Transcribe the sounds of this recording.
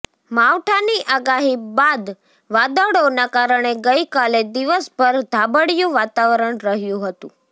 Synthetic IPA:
maʋʈʰaniʔaɡaɦibad̪ | ʋad̪əʋɽonakaɾəɳeɡəjkaled̪iʋəspəɾd̪ʱabəɽjũʋat̪aʋəɾəɳɾəɦjũɦət̪ṵ̃

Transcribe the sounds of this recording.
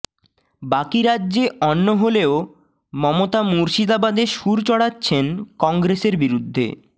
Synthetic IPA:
bakiɾadːʑeɔnːoɦoleo | mɔmot̪amuɾʃid̪abad̪eʃuɾt͡ɕɔɽatːɕʰenkɔŋɡɾeseɾbiɾud̪ʱːḛ

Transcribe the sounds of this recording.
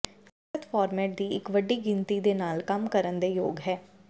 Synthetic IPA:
ət̪fɔːɾmɛːʈ̚d̪iːɪkʋəɖːiːɡɪ̃nt̪iːd̪eːnaːlkəmkəɾənd̪eːjoːɡɦɛː

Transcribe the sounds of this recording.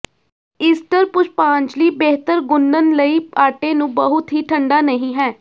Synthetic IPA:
iːsʈəɾpʊt͡ʃpãːɲt͡ʃliːbeːɦt̪əɾɡʊnːənləiːaːʈẽːnũːbəɦʊt̪ɦiːʈʰəɳɖaːnəɦĩːɦɛː

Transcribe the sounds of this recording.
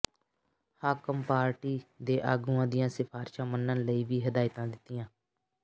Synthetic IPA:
haːkəmpaːɾʈiːd̪eːʔaːɡũːãːd̪ɪjãːsɪpʰaːɾʃãːmənːənləiːʋiːɦəd̪aːɪt̪ãːd̪ɪt̪ːɪjãː

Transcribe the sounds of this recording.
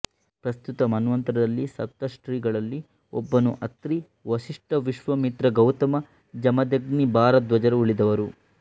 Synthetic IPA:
pɾɐst̪ut̪ɐmɐnuʋɐnt̪ɐɾɐd̪ɐlːisɐ̰t̪ːɐʂʈɾiːɡɐɭɐlːi | ɔbːɐnuʔɐt̪ɾi | ʋɐʃiʂʈɐʋiʂʋɐmit̪ɾɐɡɐwt̪ɐmɐ | d͡ʒɐmɐd̪ɐɡnibʱaːɾɐt̪̚d̪ʋɐd͡ʒɐɾɐuɭid̪ɐʋɐɾu

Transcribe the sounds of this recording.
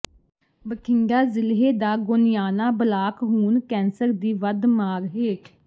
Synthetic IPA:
bəkʰɪŋɡaːzɪlɦeːd̪aːɡoːnɪjaːnaːbəlaːkɦuːnkɛ̃ːnsəɾd̪iːʋəd̪maːɾɦeː

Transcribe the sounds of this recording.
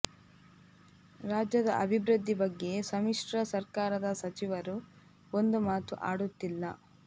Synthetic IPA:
ɾaːd͡ʒjɐd̪ɐʔɐbʱibɾɨd̪ʱːibɐɡːe̞sɐmiʂʈɾɐsɐɾkaːɾɐd̪ɐsɐt͡ʃiʋɐɾu | o̞nd̪umaːt̪uʔaːɽut̪ːilːɐ̰

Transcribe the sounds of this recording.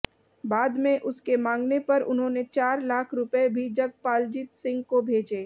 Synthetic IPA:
baːd̪mẽʔʊskemãːŋɡnepɐɾʊ̰nɦõːnet͡ʃaːɾlaːkʰɾʊpebʱid͡ʒɐɡ̚paːld͡ʒɪt̪sɪ̃ŋɡkobʱeːd͡ʒeː

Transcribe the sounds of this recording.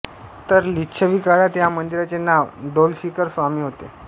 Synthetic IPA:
t̪əɾliːɕʰəʋikaɽat̪jamənd̪iɾat͡senaʋɖolsikəɾsʋamiːɦot̪ḛ

